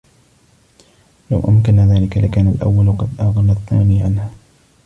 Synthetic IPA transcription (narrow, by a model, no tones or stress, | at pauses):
la̰wʔamkanaðaːlɪkalɪkaːnalʔa̰wːalqɑd̪ʔaɣɑnaθːaːniːʕanhaː